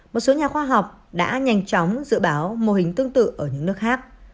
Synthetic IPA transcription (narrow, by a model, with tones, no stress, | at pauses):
mo˨˩t̚so˨˦ɲaː˨˩xwaː˧ɦa˨˩wk͡p̚ | ɗa̰ː˧˥ɲa˧˩jŋ̟t͡ɕɔ˨˦wŋ͡mzɨ̰˧˨ɓaː˨˦wmo˨˩hï˨˩ŋ̟t̪ɨ˧əŋt̪ɨ̰˧˨ʔəː˧˩ɲɨ̰˧˥ŋnɨ˦˥ək̚xaː˦˥k̚